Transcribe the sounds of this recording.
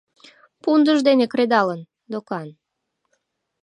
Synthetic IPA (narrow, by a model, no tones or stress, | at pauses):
pund̪əʒd̪enekɾed̪ɑlən | d̪okɑn